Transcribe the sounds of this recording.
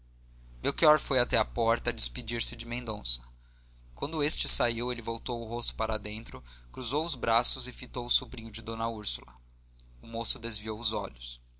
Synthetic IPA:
mewkiɔɾfojat̪ɛɐpɔɾt̪ɐd͡ʒɪspid͡ʒiɾsɪd͡ʒɪmẽnd̪õsɐ̥ | kwɐ̃nd̪ʊest͡ʃɪsaiwelɪvowt̪owʊɦost̪ʊ̥paɾɐd̪ẽnt̪ɾʊkɾuzowʊzbɾasʊzɪfit̪owʊsubɾĩɲʊd͡ʒɪd̪õnɐuɾsulɐ̰ | ʊmosʊd̪ezviowʊzɔ̰ʎʊs

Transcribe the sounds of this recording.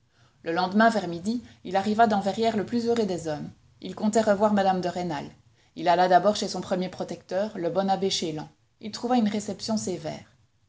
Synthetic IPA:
ləlɑ̃d̪mɛ̃vɛʁmid̪iilaʁivad̪ɑ̃vɛʁjɛʁləplyzøʁød̪ɛzɔm | ḭlkɔ̃t̪ɛʁəvwaʁmad̪amd̪əʁenal | ilalad̪abɔʁʃesɔ̃pχəmjepχɔt̪ɛk̚t̪œːʁləbɔnabeʃelɑ̰̃ | ilt̪χuvaynʁesɛpsjɔ̃sevɛ̰ːʁ

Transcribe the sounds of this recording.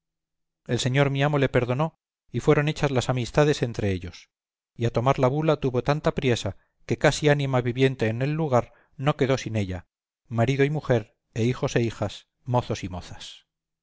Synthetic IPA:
e̞lse̞ɲo̞ɾmiamo̞le̞pe̞ɾðo̞no̞ | ifwe̞ɾo̞ne̞t͡ʃazlasamist̪aðe̞se̞nt̪ɾe̞eʎo̞s | iat̪o̞maɾlaβulat̪uβo̞t̪ant̪apɾje̞sa | ke̞kasianimaβiβje̞nt̪e̞ːne̞lːuɣ̞aɾ | no̞ke̞ðo̞sine̞ʎa̰ | maɾiðoimuxe̞ɾ | e̞ixo̞se̞ixas | mo̞θo̞simo̞θḁs

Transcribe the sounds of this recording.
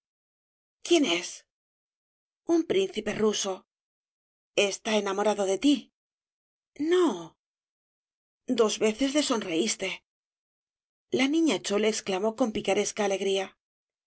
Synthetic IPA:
kje̞ne̞s | umpɾin̟θipe̞ruso̞ | est̪aenamoɾaðo̞ðe̞t̪i | no̞ | d̪o̞zβe̞θe̞zðe̞so̞nre̞ist̪e̞ | lanĩɲat͡ʃo̞leːksklamo̞ko̞mpikaɾe̞skaːle̞ɣɾia

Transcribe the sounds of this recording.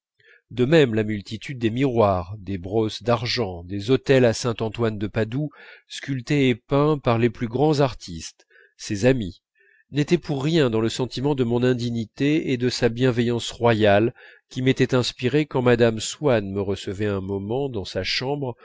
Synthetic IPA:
d̪əmɛmlamylt̪it̪ʰyd̪̚ːemiʁwaʁd̪ebʁɔsd̪aʁʒɑ̃d̪ezɔt̪ɛlasɛ̃t̪ɑ̃t̪wand̪əpad̪uskʲylt̪eːpɛ̃paʁleplyɡʁɑ̃zaʁt̪ʰist̪ | sezami | net̪ɛpuʁːjɛ̃d̪ɑ̃ləsɑ̃t̪imɑ̃d̪əmɔ̃nɛ̃d̪iɲit̪eed̪əsabjɛ̃vɛjɑ̃sʁwajal | kʲimet̪ɛt̪ɛ̃spiʁekɑ̃mad̪amswanməʁəsəvɛɛ̃mɔmɑ̃d̪ɑ̃saʃɑ̃bʁ

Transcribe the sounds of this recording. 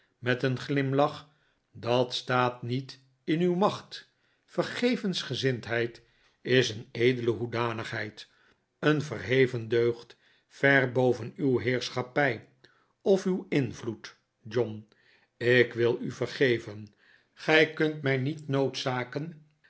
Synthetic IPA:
mɛtənχlɪmlɑχ | dɑtstaːtnit | ɪnywmɑχt | fərχejvənsχəzɪntɦɛjt | ɪsənejdələɦudaːnəχɦɛjt | ənvəɹɦejvəndøːχt | fɛrbowvənywɦɪːɹsχɑpɛj | ɔfywɪnvlut | d͡ʒɔn | ɪkʋɪlˠyvəɹχejvən | χɛjkɵntmɛjnitnowtsaːkən

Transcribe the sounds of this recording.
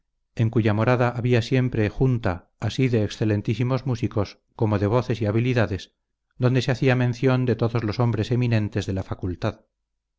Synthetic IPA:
e̞ŋkuʝamo̞ɾaðaʔaβiasje̞mpɾe̞xunt̪aː | siðe̞ːksθe̞le̞nt̪isimo̞zmusiko̞s | ko̞mo̞ðe̞β̞o̞θe̞siaβ̞iliðaðe̞s | d̪o̞nd̪e̞seaθiamẽ̞nθjo̞nd̪e̞t̪o̞ðo̞zlo̞so̞mbɾe̞se̞minẽ̞nt̪e̞zðe̞lafakult̪að

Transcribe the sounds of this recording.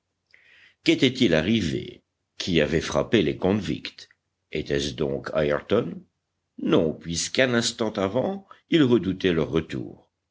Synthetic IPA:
ket̪ɛt̪ilaʁivḛ | kʰʲiavɛfχa̰pelekɔ̃vḭkt̪ | et̪ɛsd̪ɔ̰̃kʰa̰jɛʁt̪ɔnː | ɔ̃pɥiskɛ̃nɛ̃st̪ɑ̃t̪avɑ̃ilʁəd̪ut̪ɛlœʁːət̪ṵːʁ

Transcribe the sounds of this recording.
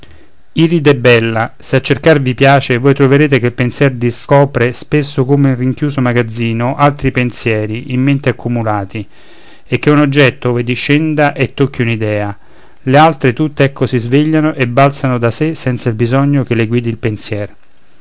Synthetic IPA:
iɾid̪ɛbːɛlːaseat͡ʃːerkarvipjaːt͡ʃevojt̪ɾoveɾeːt̪ekelpensjɛrd̪iskɔːpɾespesːokomeinriŋk̟juːzomaɡad̪zːiːnoʔalt̪ɾipensjɛːɾiʔimːent̪eakʰːumulaːt̪i | ek̟ːeunod͡ʒːɛt̪ːooːved̪iʃɛnd̪aʔet̪ːokːiunid̪ɛːa | lealt̪ɾet̪ut̪ːeɛkːosizveʎːanoʔebːalt̪sanod̪asesɛnt̪sailbizɔɲːokelːeɡwiːd̪ilpensjɛːr

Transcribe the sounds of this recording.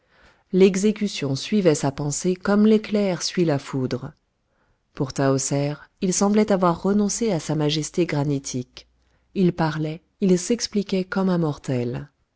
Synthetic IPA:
lɛɡzek̬ʲysjɔ̃sɥivɛsapɑ̃sekɔmleklɛʁsɥilafud̪ʁ | puʁt̪aosɛʁilsɑ̃blɛt̪avwaʁːənɔ̃seasamaʒɛst̪eɡʁanit̪ʰik | ilpaʁlɛ | ilsɛksplikʲɛkɔmãmɔʁt̪ɛl

